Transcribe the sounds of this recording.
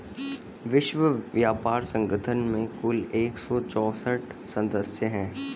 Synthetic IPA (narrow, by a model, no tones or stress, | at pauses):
ʋɪʃʋəʋjaːpaːɾsə̃ŋɡət̪ʰənmẽkʊleːksɔːt͡ʃɔːsəʈsɐ̃d̪əsjəɦɛ̃ː